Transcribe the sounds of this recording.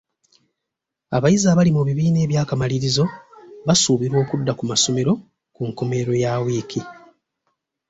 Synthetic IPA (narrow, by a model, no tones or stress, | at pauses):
aβajizaβalimuβiβiːne̞ːβjaːkamaliɾizo̞βasuːβiɾwo̞ːkudːakumaso̞me̞ɾo̞ | kuŋkome̞ɾo̞jaːwiːki